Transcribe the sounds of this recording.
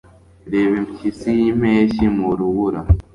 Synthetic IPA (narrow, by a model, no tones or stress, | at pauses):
ɾeːβemcisijimeːʃimuɾuβuɾa